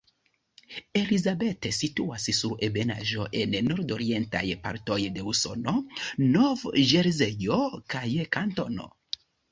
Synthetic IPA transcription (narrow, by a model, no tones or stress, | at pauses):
e̞lizabetesituassuebe̞na̰ʒo̞ʔe̞nːo̞ɾdo̞ɾie̞nta̰jpa̰ɾto̞jde̞uso̞̰no̞novʒeɾzejokajkanto̞̰no̰